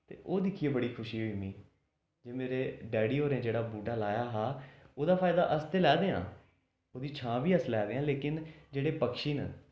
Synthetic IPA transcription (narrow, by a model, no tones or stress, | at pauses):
t̪ḛːʔoːd̪ɪkʰiːeːbəɽiːkʰʊʃiːɦoːiːmĩː | d͡ʒeːmeːɾeːɖɛːɽiːɦoːɾeãːd͡ʒeːɽaːbuːʈaːlaːjaːɦaːoːd̪aːpʰaːɪd̪aːʔəst̪eːlɛːd̪eːã̰ː | oːd̪iːt͡ʃʰãːʋiːəslɛːd̪eːãːleːkɪnd͡ʒeːɽeːpəkʃiːnə